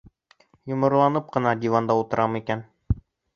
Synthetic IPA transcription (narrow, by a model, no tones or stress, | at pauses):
jŏmɤ̆ɾlˠɑnɤp̚qɤ̆nɑd̪ʲivɑnd̪ɑut̪ɤ̆ɾʔɑmikæn